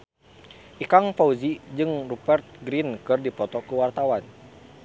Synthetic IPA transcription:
ʔikaŋfauzid͡ʒɨŋrupɛrt̪̚ɡɾinkɨrdipɔt̪ɔkuwart̪awan

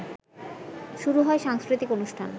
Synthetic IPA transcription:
ʃuɾuɦɔeʃaŋskɾit̪ikonuʃʈʰan

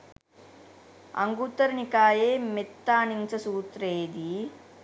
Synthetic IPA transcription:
ɐ̰ŋɡut̪ːɐɾnikaːjeːmit̪ːaːnint͡ʃɐsuːt̪ɾeːd̪i

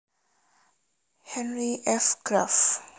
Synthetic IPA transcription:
hɛ̃nɾiʔɛfkɾaf

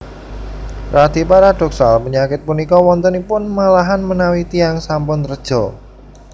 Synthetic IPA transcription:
rʔad̪̥i̤paɾad̥ɔksalpəɲakɪt̪̚punikɔwɔnt̪ənipʊnmalaɦanmənawit̪iaŋsampʊnt̪əɾəd̥ʒ̥ɔ

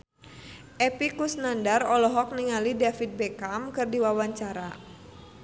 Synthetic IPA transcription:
ʔɛpikusnandarɔlɔɦɔk̚niŋalidafit̪̚bɛkamkɨrdiwawaɲt͡ʃaɾa

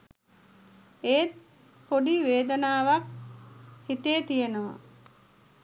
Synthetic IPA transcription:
eːt̪̚ | poɖiʋeːd̪ənaːʋak̚ | hit̪eːt̪ijenəʋa̰

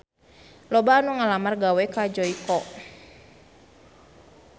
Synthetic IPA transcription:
lɔbaːnuŋalamarɡawɛkad͡ʒɔikɔʔ

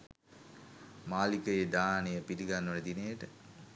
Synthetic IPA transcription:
maːlikəjed̪aːnejəpiɾiɡanːoned̪inejəʈə

